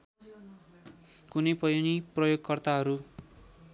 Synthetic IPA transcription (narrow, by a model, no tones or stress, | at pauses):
kunʌjpʌjoniprʌjoɡkʌrt̪aɦʌɾu